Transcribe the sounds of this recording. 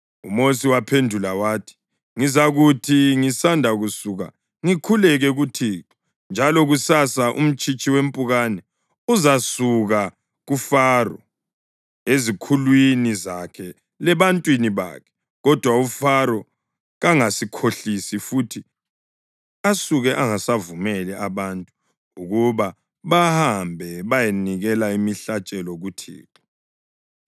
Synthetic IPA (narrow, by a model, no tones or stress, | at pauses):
ṵmosiwapʰendʱulawaːtʰi̥ | ŋizaɣutʰiŋisandʱaɣusuɣa̰ | ŋikʰulɛɣɛɣutʰiːǁʰɔ̥ | nd͡ʒʱalɔɣusasaʔṵm̩t͡ʃʼit͡ʃʼiwem̩pʼuɣanɛ | uzasuɣa | ɣufaːrɔ̰ | ezikʰulwiniza̰kʰɛ | lɛβantʼwiniβa̰kʰɛ̥ | ɣɔd̥ʱwaufaɾɔ | ɣaŋasikʰoɬisifutʰi | asuɣɛʔaŋasavumɛlɛʔaβantʼu | uɣuβa | βahambʱɛβajeniɣɛlaimiɬat͡ʃʼɛlɔɣutʰḭːǁɔ